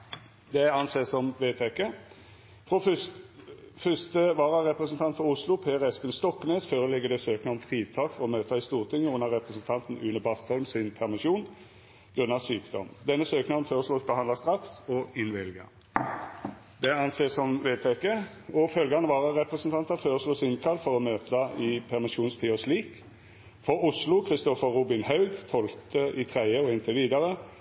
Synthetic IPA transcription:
d̪ɛɑnseːsɔmʋeːt̪ʰɛkə | fʁo | fʏst̪əʋɑːʁɑʁɛpʁəsən̩t̪ʰɑnt̪fɔʁʊslʊpʰeːʁɛspɪnst̪ɔkːneːsføːʁəlɪɡːəd̪ɛsøːknɑɔmfʁiːt̪ʰɑːkfɔʁɔmøːt̪ɑɪst̪uːʁt̪ʰɪŋːəʊnːəʁɛpʁəsən̩t̪ʰɑnt̪n̩ʉnəbɑst̪hɔlmsɪnpʰæʁmɪʂuːn | ɡ̥ʁʉnːɑsyːkd̪ɔ̰md̪ɛnːəsøːknɑnføːʁəslɔːsbəhɑnd̪ɑst̪ʁɑksɔɪnʋɪlɡə̰ | d̪ɛɑnseːsɔmʋeːt̪ʰɛkə | ɔfœlɡɑnəʋɑːʁəʁɛpʁɛsənt̪ʰɑnt̪ɑføːʁəsloːsɪnkʰɑlːfɔʁɔmøːt̪ɑɪpʰæʁmɪʃuːnst̪ʰiːɔsliːk | fɔʁʊslʊkʰʁɪst̪ɔfəʁuːbɪnhɑʉɡt̪ʰɔlt̪əʔɪt̪ʰʁæɪəɔɪnt̪ʰəʋiːd̪ɑʁə

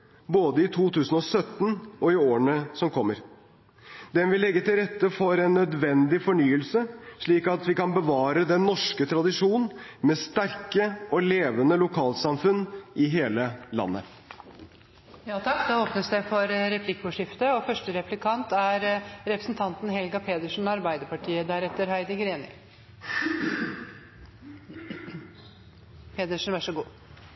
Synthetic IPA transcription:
boːd̪əɪt̪ʰuːt̪ʉːsn̩ɔsœt̪ːn̩ʔɔɪoːɾəɳəsɔmkʰɔmːəɾ | d̪ɛnʋɪlːɛɡːət̪ɪlɾɛt̪ːəfɔɾɛnːœd̪ʋɛnd̪ɪfɔɳyːəlsəʂɭiːkɑt̪ʋɪkɑnbəʋɑːɾəd̪ɛnːɔʂkət̪ʰɾɑd̪ɪʂuːnn̩mɛst̪æɾkəɔleːʋənəlʊkʰɑːlsɑmfʉnːʔɪɦeːləlɑ̰nːə̰ | jɑːt̪ʰɑkːd̪ɑːoːpnəsd̪ɛfɔɾɾɛpʰlɪkːɔʂɪft̪əɔfœʂʈəɾɛplɪkʰɑnt̪æɾɾɛpɾəsnt̪ʰɑnt̪n̩ɦɛlɡɑpʰeːd̪əʂn̩ɑɾbæɪd̪əpɑʈʰiːəd̪æɾɛt̪ːəɾhæɪd̪əɡɾeːnɪ̰ | pʰeːd̪əʂn̩ʋæʂɔɡuː

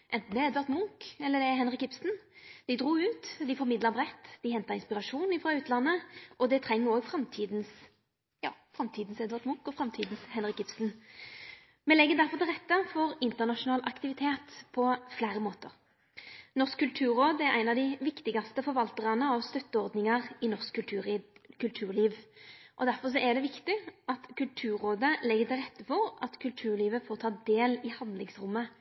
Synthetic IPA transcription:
ʔɛnt̪n̩d̪ɛɛd̪ʋæɾʁt̪mʊŋkɛlːəd̪ɛɛɦɛnʁɪkɪpsn̩d̪̥ɪd̪ʁuːʉːt̪d̪ɪfɔɾmɪd̪ləbʁɛt̪ːd̪ɪhɛnt̪ɑɾɪnspɪʁɑʂuːnɪfɾɑːʉːt̪lɑnːəʔɔd̪ɛt̪ʰɾɛŋːəɾoːɡfɾɑmt̪ʰiːd̪ns | jɑ̰ːfʁɑmt̪ʰiːd̪n̩sɛd̪ʋæʁt̪mʊŋkɔfɾɑmt̪ʰiːd̪n̩shɛnɾɪkːɪpsn̩ | mɛlɛɡːəd̪æɾfɔʁt̪ʰɪlʁɛt̪ːəfɔɾɪnt̪əʁnɑʂʊnɑːlʔɑkt̪ɪʋɪt̪ʰeːt̪pʰɔflæːɾəmoːt̪əʁ | nɔskʰːʉlt̪ʰʉːɾoːd̪æɾʔæ̰ɪnɑʋd̪ɪʋɪkt̪ɪɡɑst̪əfɔɾʋɑlt̪əʁɑnəɑʋst̪œt̪ːəɔɾd̪nɪŋɑʁɪnɔskːʉʉkʰʉlt̪ʰʉːɾliːʋʔɔd̪æɾfɔʁʂ̬ɔʔɛd̪ɛʋɪkt̪ɪʔɑt̪kʰʉlt̪ʰʉːɾoːd̪əlɛɡːət̪ɪlʁɛt̪ːəfɔʁɑt̪kʰʉlt̪ʰʉːɾliːʋəfoːʁt̪ʰɑːd̪eːlɪhɑnd̪lɪŋsɾʊmːə

